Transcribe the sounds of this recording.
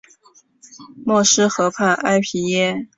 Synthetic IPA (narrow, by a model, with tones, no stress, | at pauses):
mwɔ˥˩ʂɻ̩˥xɤ˧˥pʰa˥˩nʔa˥ɪpʰi˧˥jɛ˥